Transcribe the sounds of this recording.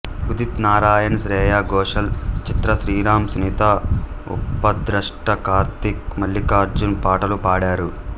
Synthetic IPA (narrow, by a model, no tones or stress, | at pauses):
ud̪it̪naːɾaːjɐnsɾɛːjaːɡɔːʂɐlt͡ʃit̪ɾɐʃɾiːɾaːmsnit̪aṵpːɐd̪ɾɐʂʈɐkaːɾt̪ik̚mɐlːikaːɾd͡ʒunpaːʈɐlupaːɽaːɾu